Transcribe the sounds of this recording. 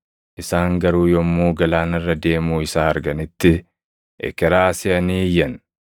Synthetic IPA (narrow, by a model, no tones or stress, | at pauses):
ʔɪsaːŋɡɐɾuːjɔmːuːɡɐlaːnɐrːɐd̪e̞ːmuːɪsaːɐɾɡɐnɪt̪ːɪ | ʔɛ̰kɛɾaːsɛɐniːjːɐn